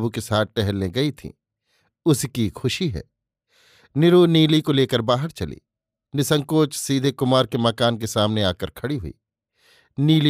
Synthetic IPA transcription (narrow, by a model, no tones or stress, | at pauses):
bukesaːt̪̚ʰʈɛɦɛlːẽɡɐit̪ʰḭ̃ː | ʊskixʊʃiɦɛ̰ː | nɪɾuniːlikoleːkəɾbaːɦəɾt͡ʃɐlḭː | nɪsə̃ŋkoːt͡ʃsiːd̪ʱekʊmaːɾkemɐkaːnkesaːmneaːkəɾkʰɐɽiɦʊḭː | niːli